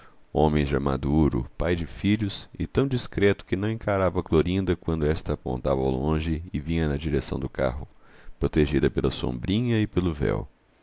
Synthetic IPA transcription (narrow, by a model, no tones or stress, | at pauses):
õmẽj̃ʒama̰d̪uuɾʊ̰pajd͡ʒɪfiʎʊsɪt̪ɐ̃w̃d͡ʒiskɾɛt̪ʊ̥kɪnɐ̃w̃ẽŋkaɾavɐkloɾĩnd̪ɐkwɐ̃nd̪ʊɛst̪ɐːpõ̰nt̪avɐ̰lõʒɪɪvĩɲɐnɐd͡ʒiɾesɐ̃w̃d̪ʊka̰ɦʊpɾot̪eʒid̪ɐpelɐsõ̰mbɾĩɲɐɪpelʊvɛ̰w